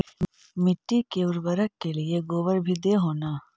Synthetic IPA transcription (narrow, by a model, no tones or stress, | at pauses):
mɪʈːikeːʋɾbɐɾəkːelijeɡoːʋəɾbʱid̪eɦoːnaː